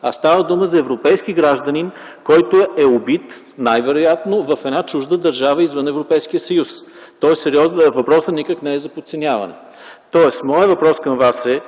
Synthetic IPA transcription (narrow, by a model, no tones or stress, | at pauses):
a̰st̪avəd̪uməzɐɛvɾopɛjskiɡɾaʒd̪ənin | kɔjt̪oɛɛobit̪ | najvɛɾʊjat̪novɐfɛd̪nat͡ʃuʒd̪əd̪ɐɾʒavəizvənɛvɾopɛjskijəsɐjust̪ɔɛsɛɾiɔznəvɐpɾɔsənikəknɛɛzɐpot̪sɛnʲavɐ̰nɛ̰ | t̪ɔɛsmɔjəvɐpɾɔskɐmvasɛ